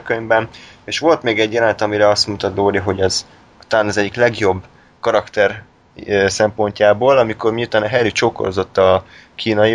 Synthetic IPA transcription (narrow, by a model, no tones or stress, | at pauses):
køɲbɛneːʃʋo̞lt̪meːɡɛɟjɛlɛnɛt̪ɒmiɾɛɒst̪mut̪ɒt̪d̪oːd̪iɦo̞ɟɒz | ut̪aːnɒzɛɟːiklɛɡjo̞bː | kɒɾɒkt̪ɛr | sɛmpo̞ɲcaːboːlɒmiko̞rmijut̪aːnɒɦɛɾit͡ʃoːko̰rzo̞t̪ːɒ | kʰiːnɒji